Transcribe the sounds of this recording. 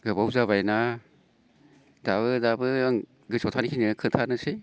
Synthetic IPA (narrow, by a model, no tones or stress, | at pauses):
ɡɯbawzaβajna | daβɯdabɯŋ | ɡɯsʰɔtʰanikʰinikʰɯtʰanɯse